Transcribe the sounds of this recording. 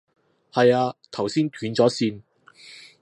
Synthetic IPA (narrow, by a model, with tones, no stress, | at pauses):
hɐ˨jaː˧t̪ʰɐ˨˩wsiː˥nt̪ʰyː˨˥nt͡sɔː˨˥siː˧n